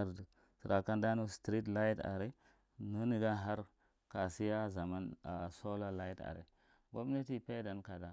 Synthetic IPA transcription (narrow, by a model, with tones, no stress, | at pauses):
a˦˨ɾd | si˨ɾa˨ka˦nda˦nu˦stɾi˦t̬la˦jta̰˨ɾi˦ | nu˦ni˨ɡa˦nɦa˦ɾ | ka˨si˦ja˦za˨ma˦na̰˨so˦la˦la˦i˦ta̰˨ɾḛ˨ | bo˦bne˦ti˦pe˦da˨nka˨da˨